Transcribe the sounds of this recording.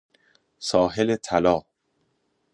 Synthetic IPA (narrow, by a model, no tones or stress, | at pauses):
sɒːɦelet̪ʰælɒː